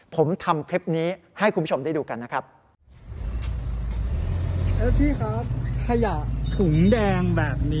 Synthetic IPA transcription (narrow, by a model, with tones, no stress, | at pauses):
pʰo˩˦mt̪ʰa˧mkʰɾe˦˥p̚niː˦˥ | ha˥˩jkʰu˧mpʰo˧mdaː˥˩duː˧ka˧nːa˦˥kʰɾa˦˥p̚ | kʰe˦˥p̚t̪ʰiː˥˩xʰaː˦˥t̚kʰːa˧ja˨˩ʔt̪ʰu˨˩˦ŋdɛː˧ŋbɛː˨˩p̚niː˦˥